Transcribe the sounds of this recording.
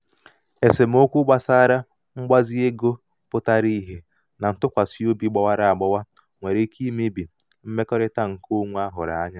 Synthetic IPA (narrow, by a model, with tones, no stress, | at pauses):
e˨se˨m̩˦o˦kʷu˦ɡ͡ba˦sa˦ɾa˦ | ŋ͡m̩˦ɡ͡ba˦zi˦e˦ɡo˦ | pʊ˦ta˦ɾi˦ɦe˨ | na˨n̩˨tʊ˦kʷa˨si˦o˦bi˦ɡ͡ba˦wa˦ɾa˨a˨ɡ͡bɔ˦wa˦ | ŋʷe˨ɾe˦kʰi˦me˦bi˨ | m̩˦me˦kɔ˦ɾɪ˦ta˦ŋ̩˨ko˦ŋʷu˦a˦ɦʊ˨ɾa̰˨a˦ɲa˦